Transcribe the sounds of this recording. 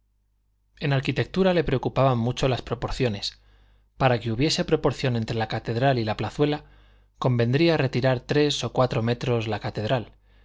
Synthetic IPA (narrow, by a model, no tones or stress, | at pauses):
e̞naɾkit̪e̞k̚t̪uɾale̞pɾe̞o̞kupaβamːut͡ʃo̞laspɾo̞po̞ɾθjo̞ne̞s | paɾakeuβje̞se̞pɾo̞po̞ɾθjo̞ne̞nt̪ɾe̞lakat̪e̞ðɾalilaplaθwe̞la | ko̞mbẽ̞nd̪ɾiare̞t̪iɾaɾt̪ɾe̞so̞kwat̪ɾo̞me̞t̪ɾo̞zlakat̪e̞ðɾal